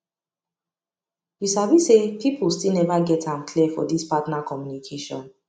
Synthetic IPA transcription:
wiʃabisepʰipʰulstilnɛvaɡɛtʰãmkʰlifɔ̰dispatnakʰɔmjunikʰeʃɔ̰̃n

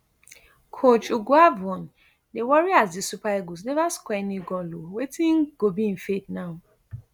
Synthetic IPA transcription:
kʰot͡ʃoɡuavɔ̃n | newɔɾiazdisupaeɡos̬nɛvaskɛnĩɡɔlowetʰiŋ̩ɡ̥obĩn̩fetnaũ

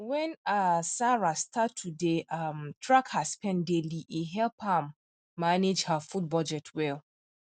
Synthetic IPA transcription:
wɛ̃nasaɹastʰatʰːudeamtʰɹakhaspɛ̃ndeliʔiɦɛlpamː | aned͡ʒhafut̚bɔd͡ʒɛtʰwɛl

